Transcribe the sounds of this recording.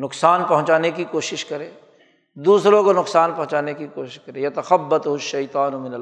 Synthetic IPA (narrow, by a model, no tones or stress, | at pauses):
nʊksaːnpɐɦʊ̃t͡ʃaːnekikoːʃɪʃkɐɾẽː | d̪uːsɾõkonʊksaːnpɐɦʊ̃t͡ʃaːnekikoːʃɪɪʃkɐɾẽːjɐt̪ɐxɐbːɐt̪ʊɦʊʃːɐjt̪aːnʊmɪnɐl